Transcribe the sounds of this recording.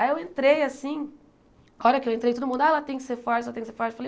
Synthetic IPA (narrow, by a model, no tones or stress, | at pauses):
ajewẽnt̪ɾejasĩ | ɔɾɐkɪewẽnt̪ɾejt̪od̪ʊmũnd̪aɛlɐt̪ẽj̃kɪ̥seɾfaɾt͡ʃɛlɐt̪ẽj̃kseɾfaɾt͡ʃfalej